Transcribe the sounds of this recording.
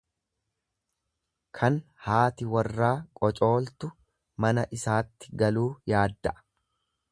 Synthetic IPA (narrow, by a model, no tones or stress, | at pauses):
kʰɐn | haːt̪ɪwɐrːaːkʼɔt͡ʃʼo̞ːlt̪ʊ | mɐnɐʔɪsaːt̪ːɪ̥ɡɐluːjaːd̪ːɐʔɐ̥